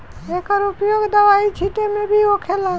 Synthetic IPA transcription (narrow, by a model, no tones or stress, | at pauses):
ekəɾʊpjoɡd̪əʋait͡ʃʰiʈemẽbʱiokʰela